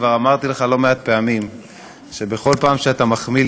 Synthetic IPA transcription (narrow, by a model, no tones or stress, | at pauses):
vaʁamaʁt̪ileχalo̞meat̪̚pe̞amim | ʃe̞be̞χo̞lpaːmʃeat̪amaχmi